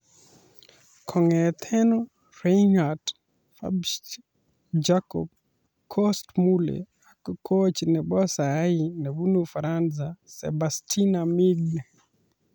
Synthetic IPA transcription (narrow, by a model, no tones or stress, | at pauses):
kʰɔŋɛt̪ʰɛnɔ | ɾenad | fa̰b | d͡ʒakɔ̰b̚ | kʰɔstmulɛ̰ | akkʰot͡ʃinɛɓɔsaainɛβunufaɾanzasɛ̰bastʰinamiɡn